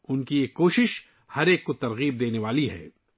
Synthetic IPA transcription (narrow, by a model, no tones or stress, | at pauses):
ʊnkiekːoːʃɪʃ | hɐɾeːkːot̪ɐɾɣiːb̚d̪eːneʋaːliɦɛ̰ː